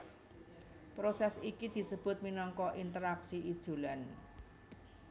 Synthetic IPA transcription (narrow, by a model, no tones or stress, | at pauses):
pɾosɛsikid̪̥i̤səb̥ʊ̤t̪̚minɔŋkɔʔint̪əɾaksiʔid̥ʒ̥ṳlan